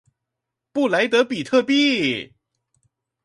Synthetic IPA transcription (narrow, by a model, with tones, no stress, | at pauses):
pu˥˩la˧˥ɪt̪ɤ˧˥pi˨˩t̪ʰɤ˥˧pi˥˩